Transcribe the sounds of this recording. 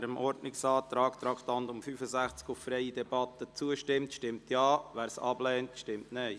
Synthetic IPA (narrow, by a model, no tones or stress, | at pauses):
ɾəmʔɔɾdnɪksɑːt̪ɾɑːkt̪ɾɑːktɑndʊmfyːfəzæχt͡skʊffɾɛɪidɛbɑt̪ət͡suəʃtɪmtʃtɪmtjɑːʋæːɾsɑ̰blɛːntʃtɪmtneɪ